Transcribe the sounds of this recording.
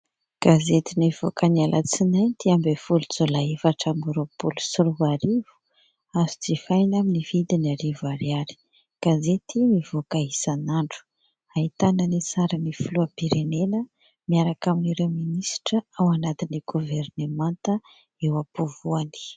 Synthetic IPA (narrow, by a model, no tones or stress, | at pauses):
ɡ̥azet̪iniv̥okanialʔa̰t͡sinaj̪t̪iambefulud͡zolaefaʈ͡ʂamuɾopulusuɾuvaɾivu̥ | azut͡sifajnaminivid̪inaɾivaɾiaɾi̥ | ɡ̥azet̪inivokaɦisanaɳɖ͡ʐu̥ | aɦit̪anənisaɾanifuluapiɾenenə | miaɾakaminiɾewminisʈ͡ʂəawanat̪iniɡ̥uvernemant̪ə | ewapuvuani̥